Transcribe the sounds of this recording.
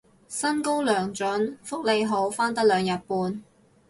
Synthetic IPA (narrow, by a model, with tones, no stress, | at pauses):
sɐ˥nko˥wlœː˨˩ŋt͡ʃɔ˨˥nfʊ˥k̚le˨˧jɦo˨˧˥wfaː˥nt̪ɐ˥k̚lœː˨˧ŋjɐ˨t̚puː˨˧n